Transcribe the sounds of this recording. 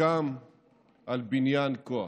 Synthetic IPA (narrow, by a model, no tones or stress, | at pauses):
aːm | ɐlbinjaːnko̰